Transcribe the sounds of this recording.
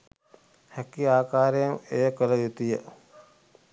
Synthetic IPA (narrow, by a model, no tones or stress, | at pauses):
hækiaːkaːɾejɐmejəkələjut̪ijə